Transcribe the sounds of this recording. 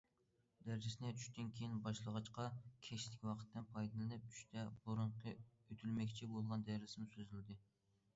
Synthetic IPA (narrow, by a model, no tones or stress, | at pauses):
d̪æɾd͡ʒɪsnɪt͡ʃʰy̥ʃʲt̪ɪnkʲʰejinbɑʃlˠəʁɑt͡ʃqɑkʲʰɛʃlɪkʲwɑqʰə̥t̪ːɨnpʰɑjd̪ɨlˠɨnɨp̚t͡ʃʰy̥ʃt̪ʰɛbuɾʊɴqʰəøt̪ʰylmɛkʲt͡ʃʰibolˠʁɑnd̪æɾɪsɪmsøzylɪd̪ɪ